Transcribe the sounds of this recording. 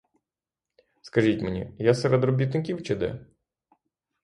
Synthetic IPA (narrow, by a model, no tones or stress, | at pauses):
skɐʒitʲmenʲḭjasɛɾɛd̪ɾɔbʲit̪nɪkʲiwt͡ʃɪd̪ɛ̰